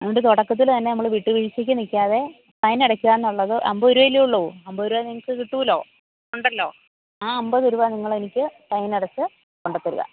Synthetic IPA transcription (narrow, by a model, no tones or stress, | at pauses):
eɳɖɨt̪oɽɐkːɐt̪̬ːilt̪ɐnːe̞nɐmːɐɭʋiʈːɨʋiɻit͡ɕːɐkʲːunikʲːaːðe̞ | t̪ɐjniɽɐkʲːuɣaːenːuɭːɐðɨʔɐmbooɾuʋɐleuɭːɐʋuɐmbɐoɾuʋaniŋɐkːɨkiʈːuːilo̞̰ː | uɳɖɐlːo̞̰ː | aːɐmbɐðoɾuʋaːniŋːɐɭenikʲːɨt̪ɐjniɽɐt͡ɕːɨ | koɳɖɐt̪ːɐɾṵɣɐ̰